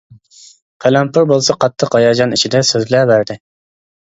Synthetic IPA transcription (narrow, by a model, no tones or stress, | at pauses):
qʰælæmpʰʊɾbolˠsɑqʰɑt̪ʰːəqɑjɑd͡ʒɑnit͡ʃʰid̪ɛsøzlæbæɾd̪ɪ